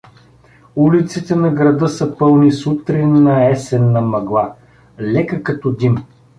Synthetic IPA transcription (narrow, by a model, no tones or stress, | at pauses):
ulit̪sit̪ɛnɐɡɾɐd̪ɤsɐpɤlˠnisut̪ɾinːɐɛsɛnːɐmɐɡlˠa | lɛkəkɐt̪ɔd̪im